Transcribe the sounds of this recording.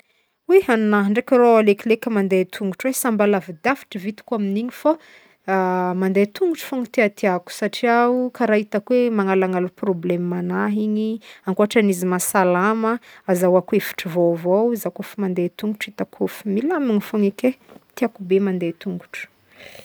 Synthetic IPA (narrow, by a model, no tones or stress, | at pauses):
wehanunaɦɳɖ͡ʐekʲəɾoaleklekʲəmand̪et̪ʰuŋɡuʈ͡ʂwesambalavid̪afi̥ʈ͡ʂəvit̪i̥kuaminiɲifa | mand̪et̪uŋɡuʈ͡ʂu̥foŋit̪eat̪iaku̥saʈ͡ʂiaukaɾait̪akwemaŋalaŋaluproblemːanaɦiɲiaŋkuɦaʈ͡ʂanizimasalaməazawakwefi̥ʈ͡ʂivovawzakofimand̪et̪uŋɡuʈ͡ʂit̪akʰofi̥milamiŋifoŋeket̪iakubemand̪et̪uŋɡuʈ͡ʂə̥